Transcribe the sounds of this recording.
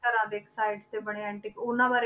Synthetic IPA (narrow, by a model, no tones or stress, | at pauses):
əɾãːd̪eːksaːɪɖst̪eːbəɽ̃eɛ̃ːɳʈikʊnːãːbaːɾe